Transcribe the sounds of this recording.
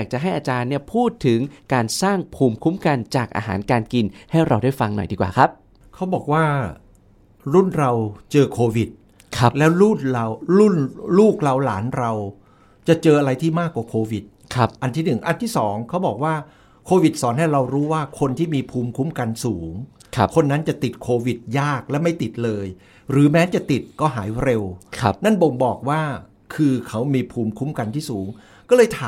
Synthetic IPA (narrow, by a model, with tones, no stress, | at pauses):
jaː˨˩k̚t͡ɕa˨˩ɦa˥˩jʔaː˧t͡ɕaː˧nːi˥˩ɐpʰuː˥˩t̪ʰːɯ˩˦ŋkaː˧nsaː˥˩ŋpʰuː˧mkʰu˦˥mka˧nt͡ɕaː˨˩k̚ʔa̰ː˧ɦa̰ː˩˦nkaː˧nki˧nha˥˩jɾa˧wdaː˥˩jfa˧ŋnɔ̰˨˩jdiː˧kwaː˨˩kʰɾa˦˥p̚ | kʰa˦˥wbɔː˨˩k̚waː˥˩ | ɾu˥˩nɾa˧wt͡ɕɤː˧kʰoː˧wi˨˩t̪̚ | kʰa˦˥lɛː˦˥wɾu˥˩nɾa˧wɾu˥˩nluː˥˩k̚ɾa˧wlaː˩˦nɾa˧w | t͡ɕa˨˩t͡ɕɤː˧ʔa˧ɾa˧jt̪ʰiː˥˩maː˥˩kːwaː˨˩kʰoː˧wi˨˩t̪̚ | kʰʔa˧nt̪ʰiː˥˩nɯ˨˩ŋʔa˧nt̪ʰiː˥˩sɔː˩˦ŋkʰa˦˥wbɔː˨˩k̚waː˥˩ | kʰoː˧wi˨˩t̪̚sɔː˩˦nha˥˩jɾa˧wɾuː˦˥waː˥˩kʰo˧nt̪ʰiː˥˩miː˧pʰuː˧mkʰu˦˥mka˧nsuː˩˦ŋʰ˧ | kʰo˧nːa˦˥nt͡ɕa˨˩t̪i˨˩t̪̚kʰoː˧wi˨˩t̪̚jaː˥˩k̚lɛː˦˥wma˥˩jt̪i˨˩t̪̚lɤː˧j | ɾɯː˩˦mɛː˦˥t͡ɕa˨˩t̪i˨˩t̪̚kɔː˥˩ɦaː˩˦jɾe˧wkʰna˥˩nbo˧ŋbɔː˨˩k̚waː˥˩ | kʰɯː˧kʰa˦˥wmiː˧pʰuː˧mkʰu˦˥mka˧nt̪ʰiː˥˩suː˩˦ŋ | kɔː˥˩lɤː˧jt̪ʰaː˨˦